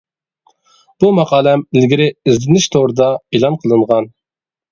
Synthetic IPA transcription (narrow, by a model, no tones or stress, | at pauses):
b̥umɑqɑːlˠɛmɪlɡʲiɾɪizlɪnɪʃt̪ʰoʁɾɨd̪ɑelˠɑnqʰəlˠɨɴʁɑn